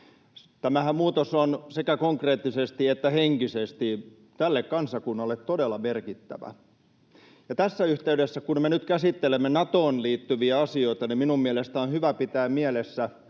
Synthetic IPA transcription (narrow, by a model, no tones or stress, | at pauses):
t̪æmæhæmmuːt̪osonsekækoŋkreːt̪ːisest̪iet̪ːæheŋkisest̪i | t̪ælːekkɑnsɑkunːɑlːet̪todelːˑɑmerkit̪ːæ̰ʋæ̰ | jɑt̪æsːæyht̪eydesːækunmenyt̪kæsit̪ːelemːenɑt̪oːnliːt̪ːyʋiæɑsioit̪ɑniminummiælest̪æonhyʋæpit̪æːmmielesːæ